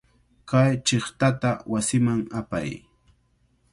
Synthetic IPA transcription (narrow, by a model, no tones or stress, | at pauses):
kajt͡ʃɪχt̪at̪awasɪmaŋapa̰j